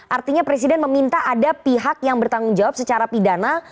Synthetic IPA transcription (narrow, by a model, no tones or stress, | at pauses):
ʔart̪iɲapɾes̬idɛnməmint̪aadapiɦak̚jaŋbərt̪aŋʊnd͡ʒawap̚sət͡ʃaɾapidana